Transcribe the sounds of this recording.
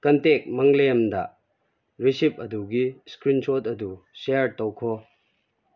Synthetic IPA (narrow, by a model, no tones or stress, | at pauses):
kɐntek̚mɐŋleɐmdɐ̰ | ɾisip̚ɐduɡiskɾinsotɐdu | seɾtɔwkʰɔ